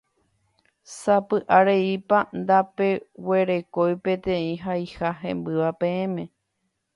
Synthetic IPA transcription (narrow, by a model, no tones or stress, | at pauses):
sapɨʔaɾe̞ipand̪ape̞we̞ɾe̞ko̞jpẽ̞t̪ẽĩɦajhaɦẽ̞̰mbɨʋapẽẽmẽ̞